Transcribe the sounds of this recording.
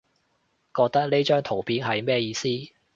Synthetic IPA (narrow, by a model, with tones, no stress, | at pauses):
kɔː˧k̚t̪ɐ˥k̚le˥t͡ʃœː˥ŋt̪ʰo˨˩wpiː˨˥nhɐ˨jmɛː˥jiː˧siː˥